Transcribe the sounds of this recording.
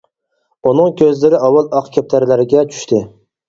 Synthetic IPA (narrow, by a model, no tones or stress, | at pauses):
unɨŋkʲʰøzlɪɾɪɑwɑlˠɑqkʲʰæp̚t̪ʰæɾlæɾɪɡʲɛt͡ʃʰy̥ʃt̪ʰɪ